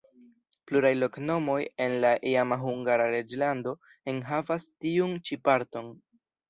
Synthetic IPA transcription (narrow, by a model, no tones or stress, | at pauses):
pluɾajlo̞kno̞mo̞je̞nlaʔiamaɦuŋɡaɾaɾe̞d͡ʒlando̞ | enɦavastiunt͡ʃipaɾto̞n